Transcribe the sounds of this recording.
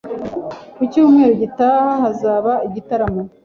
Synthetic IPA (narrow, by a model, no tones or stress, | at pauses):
kucuːmŋe̞ːɾoɟitaːhahazaːβaiɟitaɾamo